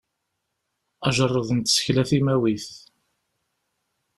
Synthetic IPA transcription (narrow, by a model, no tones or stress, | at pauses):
æʒərˤːəðnt̪sə̥çlæθimæwiθ